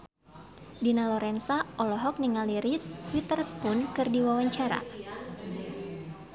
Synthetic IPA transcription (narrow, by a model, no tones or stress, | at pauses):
dinalɔɾɛnsaʔɔlɔɦɔk̚niŋaliɾiswit̪ərspunkɨrdiwawaɲt͡ʃaɾa̰